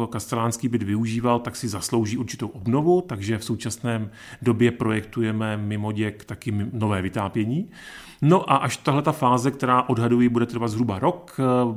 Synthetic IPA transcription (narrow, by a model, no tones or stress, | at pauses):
kast̪ɛlaːnskiːbɪd̪vɪuʒiːvalt̪aksɪzaslo̞wʒiːʔuɾt͡ʃɪt̪owʔobno̞vut̪aɡʒɛfsowt͡ʃasnɛː | do̞bjɛpɾo̞jɛkt̪ujɛmɛmɪmo̞ɟɛkt̪akɪmno̞vɛːvɪt̪aːpjɛɲiː | no̞ʔaʔaʃt̪aɦlɛt̪afaːzɛk̚t̪ɛɾaːʔo̞dɦadujibudɛt̪r̩vad̪zɦɾubaɾo̞k